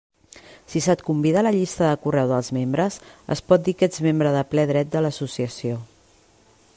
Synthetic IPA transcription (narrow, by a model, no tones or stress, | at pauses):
sisat̪kumbiðələʎist̪əðəkurɛwðəlˠzmembɾəzə̰spɔt̪̚d̪ikɛd͡zmembɾəðəplɛðɾɛt̪̚d̪ələsusiəsio